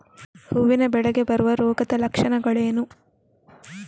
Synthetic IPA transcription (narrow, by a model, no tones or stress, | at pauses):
huʋːinɐbɛɭɐɡe̞bɐɾuʋɐɾoːɡɐd̪ɐlɐkʂɐnɐɡɐɭeːnu